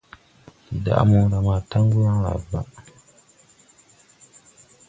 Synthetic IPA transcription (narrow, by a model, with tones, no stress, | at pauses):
i˨da̰˦ʔa̰˦mɔ˦ŋ˦ɾa˨maː˨ta˦ŋ˦ɡu˦na˦la̰˨ba˦